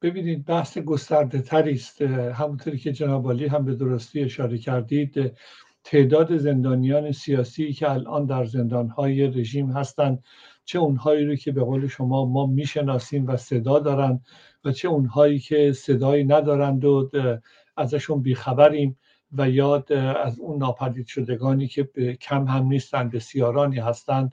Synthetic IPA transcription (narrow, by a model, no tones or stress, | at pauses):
b̥e̞biːniːd̪̚bæhseɡo̞st̪æɾd̪e̞t̪ʰæɾiːst̪ɦæmunt̪ʰoɾiːcʲʰe̞d͡ʒenɒːbɒːliːɦæmbe̞d̪o̞ɾost̪iːe̞ʃɒːɾe̞cʰæɾd̪iːd̪̥ | t̪ʰe̞ʔd̪ɒːd̪e̞ze̞nd̪ɒːnijɒːne̞sijɒːsiːcʰe̞ælʔɒ̰ːnd̪æɾze̞nd̪ɒːnhɒːjere̞ʒiːmɦæst̪ænd̪ | t͡ʃʰe̞unhɒːiːɾoːcʰe̞be̞ɣoːle̞ʃo̞mɒːmɒːmiːʃe̞nɒːsiːmvæse̞d̪ɒːd̪ɒːɾænd̪ | væt͡ʃʰe̞unhɒːiːkʰe̞se̞d̪ɒːiːnæd̪ɒːɾænd̪o | æzæʃunbiːxæbæɾiːm | væjɒːd̪æzuːnːɒːpʰæd̪iːd̪ʃo̞d̪e̞ɡɒːniːcʲʰe̞becʰæmhæmniːst̪ænd̪be̞sijɒːɾɒːniːɦæst̪ænd̪̥